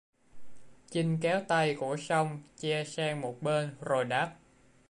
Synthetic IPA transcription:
t͡ɕi˧ŋ̟kɛ˨˦wt̪a˧jku˧˩əsa˧wŋ͡mt͡ɕɛ˧sɛː˧ŋmo˨˩t̚ɓe˧nzo˨˩jɗaː˦˥p̚

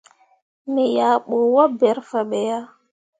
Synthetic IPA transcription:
me˨ja˨ɓo˨wa˦bɛ˨˦ɾfa˨ɓe˨ja˦

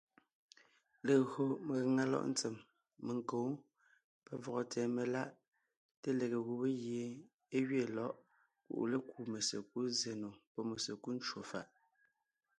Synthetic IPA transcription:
le˨ɣo˨me˨ɣŋa˦lɔ̰˦ʔn̩˦t͡se˨mː | e˨ŋ˨ko˨˦ | pɛ˦vɔ˨ɣɔ˨tʰɛː˨me˨la˦ʔ | te˦le˨ɣe˨ɣu˨be˦ɣje˨˦ | e˦ɣɥe˦˨lɔ˦ʔ | kṵ˨ʔle˦ku˨me˨sḛ˨k̚u˦ze˨no˨pɔ˦me˨se˨ku˦n̩˦t͡ʃwo˨fa̰˦˨ʔ

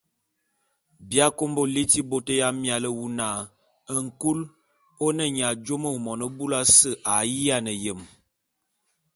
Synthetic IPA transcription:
bja˦ko˦mbo˦li˦ti˦bo˦tə˦ja˦mja˨lə˦wu˦na˨ | ə˦ŋ̩˨ku˦l | o˦nə˦ɲ˨a˨d͡ʒo˦mə˦˨mɔ˨nə˦bu˦la˦sə˦ʔa˨ji˦a˦nə˨jə˨m

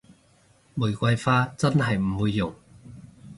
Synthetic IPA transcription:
muː˨˩jkʷɐ˧jfaː˥t͡sɐ˥nhɐ˨jm̩˨˩wuː˧jːʊ˨˩ŋ

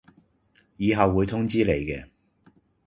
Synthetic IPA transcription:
jiː˨˧ɦɐ˨wːuː˨˧jt̪ʰʊ˥ŋt͡siː˥le˨˩jkɛː˧

